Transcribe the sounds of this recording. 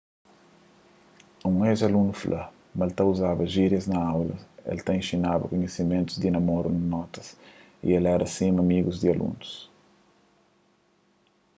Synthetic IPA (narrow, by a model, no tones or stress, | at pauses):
ũŋezɐlũnuflʔɐ | melt̪ɐuzabɐʒiɾjɐznɐawlɐ̰ḛlt̪ɐĩʃinabɐ̰koɲesimẽnt̪uzd̪inɐmoɾunɐnɔt̪ɐ̥s | ḭelɛɾʔɐsĩmɐmiɡuzd̪iɐlʔṵ̃nus